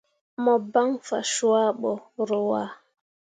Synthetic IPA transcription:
mɔ˨ba˦ŋfa˨ʃu˦a˦ɓɔ˨ɾɔ˨wa˦

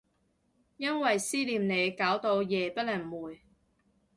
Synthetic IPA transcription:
jɐ˥nwɐ˨jsiː˥liː˨˧mne˨˧jkaː˨˥wt̪o˧wjɛː˨pɐ˥lɐ˨˩ŋmuː˨˩j

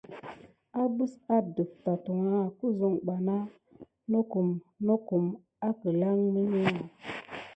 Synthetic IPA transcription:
a˦bu˦sa˦də˨p̚ta˨tu˨ŋa˦˨ku˦zu˦˨ŋɡ͡ba˨na˦ | no˦ku˨mno˦ku˨m | a˦kə˨la˦ŋmi˦ni˦ŋa˨

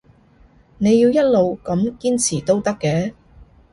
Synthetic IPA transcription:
ne˨˧jiː˧wjɐ˥t̚lo˨wkɐ˨˥mkiː˥nt͡sʰiː˨˩t̪o˥wt̪ɐ˥kːɛː˨˥

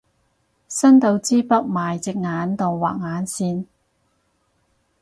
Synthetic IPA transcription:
sɐ˥nt̪o˧wt͡siː˥pɐ˥k̚maː˨jt͡sɪ˨k̚ŋaː˨˥nt̪o˨ŋwa̰ː˨k̚ŋaː˨˥nsiː˧n

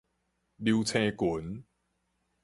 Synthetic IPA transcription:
li˧wt͡sʰẽ˧ku˨˦n

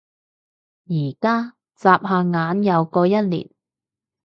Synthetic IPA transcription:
jiː˨˩kaː˥ | t͡saː˧p̚ɦaː˨˧ŋaː˨˥njɐ˨˧wkɔː˧jɐ˥t̚lḭː˨˩n

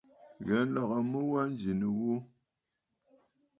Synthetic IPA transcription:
ɣɛ˨˦n̩˦la˨ɣa˨mə˦wa˦n˦d͡ʒi˨nə˨wo˦

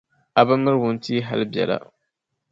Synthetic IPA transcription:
a˨ba˦mːɨ˦ɾwʊ˦n˦ti˦ɦa˦lbɛ̰˨la̰˦˨

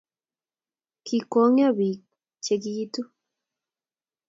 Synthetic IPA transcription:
kʰi˨kɔ˦ŋ˦a˦bi˨ | t͡ʃe˨ki˦i˦t̪u˦

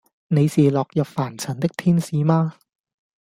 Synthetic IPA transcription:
ne˨˧jsiː˨˩lɔː˨k̚jɐ˨p̚faː˨˩nt͡sʰɐ˨˩nt̪ɪ˥k̚t̪ʰiː˥nsiː˨˧maː˧

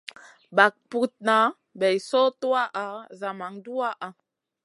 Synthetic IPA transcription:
ba˨k̚pu˦t̚na˨˦ | bɛ˨jsɔ˦tu˦a˦ʔa˨za˨ma˨ŋdu˦a˦ʔa˨

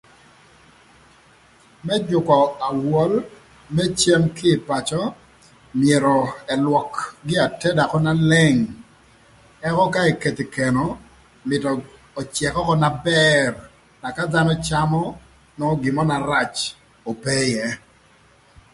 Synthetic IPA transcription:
mɛ˦d͡ʒʊ˨kɔ˨a˨wɔ˦l | mɛ˦t͡ʃe˦ŋkɪː˦˨pa˨t͡ʃɔ˦ | mɪe˨ɾɔ˨ɛ˨lwɔ˨kɡɪ˦a˨tɛ˦da˨kɔ˦na˦lɛ˦ŋ | ɛ˦kɔ˦ka˦i˨ke˨t̪i˨kɛ˨nɔ˨ | mɪ˨tɔː˨ | t͡ʃjɛ˨kɔ˦kɔ˦na˨bɛ˦r | na˨ka˦d̪a˦nɔ˦t͡ʃa˦mɔ˦ | nɔ˦ɡɪ˨mɔ˦na˨ɾa˦˨t͡ʃ | o˨pɛ˦jɛ˦

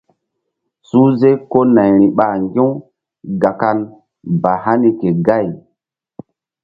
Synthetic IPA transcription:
su˦ze˦ko˦na˨jɾ̃i˨ɓa˨ŋɡĩ˦w | ɡa˨ka˦l | ba˨ha˦ni˦ke˨ɡa˦˨j

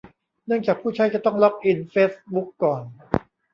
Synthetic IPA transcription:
nɯ˥˩əŋt͡ɕaː˨˩k̚pʰuː˥˩t͡ɕʰa˦˥jt͡ɕa˧˩t̪ɔ˥˩ŋlɔ˦˥k̚ʔi˧nfeː˦˥sbu˦˥kːɔː˨˩n

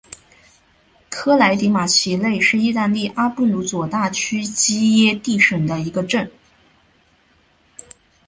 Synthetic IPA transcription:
kʰɤ˥la˧˥ɪt̪i˧˥ma˨˩ɕʰi˧˥le˥˧ɪʂɻ̩˥˧i˥˧t̪a˥˧nli˥˩ʔa˥pu˥˩lu˧˥t͡swɔ˨˩t̪a˥˩t͡ɕʰy˥t͡ɕi˥jɛ˥t̪i˥˩ʂə˨˩ŋd̪ə˦i˧˥ɡə˧ʈ͡ʂə˥˩n

